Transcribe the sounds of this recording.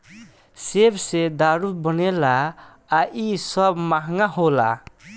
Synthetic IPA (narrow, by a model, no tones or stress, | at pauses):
sebsed̪aɾubʌnelaː | ʔisʌbmaɦŋaɦola̰